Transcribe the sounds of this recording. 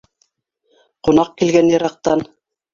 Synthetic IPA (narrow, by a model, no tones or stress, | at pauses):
qŏnɑq̚kilɡænjɤ̆ɾɑq̚t̪ɑn